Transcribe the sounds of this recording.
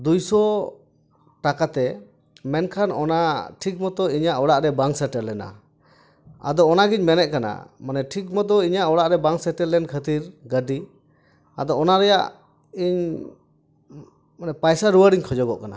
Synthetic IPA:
d̪ujsɔ | ʈakat̪ɛ | mɛnkʰanɔ̰naʈʰik̚mɔt̪ɔiɲaʔɔɽaʔɾɛbaŋsəʈɛlːɛna̰ | a̰d̪ɔːnaɡiɲmɛnɛʔ̚kana̰manɛʈʰik̬̚mɔt̪̬ɔiɲaʔɔɽaʔɾɛbaŋsəʈɛɾlɛnkʰət̪iɾɡəɖi | a̰d̪ɔɔnaɾɛja̰ʔ | iɲ | manɛpajsaɾuwəɾiɲkʰɔd͡ʒɔɡɔʔkana̰

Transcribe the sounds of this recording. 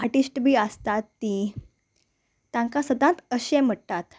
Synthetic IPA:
aʈisʈbʱiːəst̪at̪ːi | t̪ãŋkasəd̪ãt̪əɕẽm̤əɽt̪at̪

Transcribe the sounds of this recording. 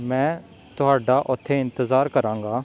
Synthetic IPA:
mɛ̃ː | t̪ʊɦaːɖaːʔʊt̪ʰːeːɪ̃nt̪əzaːɾkəɾãːŋ̆ɡaː

